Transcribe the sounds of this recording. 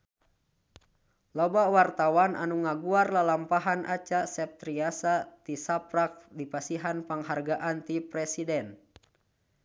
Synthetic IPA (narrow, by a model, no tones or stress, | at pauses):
lɔbawart̪awanʔa̰nuŋaɡuarlalampaɦanʔat͡ʃasɛp̚t̪ɾiasat̪isapɾak̚dipasiɦanpaŋɦarɡaʔant̪ipɾɛsidɛn